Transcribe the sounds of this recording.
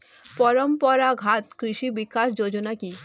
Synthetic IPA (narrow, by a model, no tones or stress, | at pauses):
pɔɾɔmpɔɾaɡʱat̪kɾiʃibikaʃd͡ʑod͡ʑonaki